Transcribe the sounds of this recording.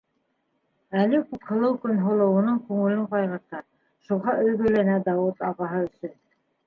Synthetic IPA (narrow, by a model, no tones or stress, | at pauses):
ælɘkuphɤ̆lˠɤwkɵnɦŏlˠɤ̆wɤ̆nɤɴkʉŋɘ̆lɵɴqɑjʁɤ̆ɾt̪ɑɾ | ʃuʁɑʔɵ̆jɡɵ̆lænæd̪ɑwɤt̪ɑʁɑɦɤɵ̆sɵn